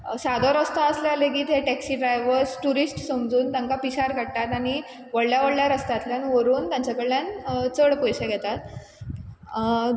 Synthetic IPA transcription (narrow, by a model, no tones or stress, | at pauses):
sad̪ʱɔɾəst̪aəsljaleɡiːt̪ɦeʈɛksiːɖɾajʋəɾsʈuɾisʈsəmd͡zuːnt̪jãŋkapiɕaɾkəɽt̪at̪aɽ̃i | ʋəɽljaʋəɽljaɾəst̪at̪ljañiʋəɾuːnt̪jãɲt͡ɕakəɭljant͡səɽpojɕaɡʱɛt̪at̪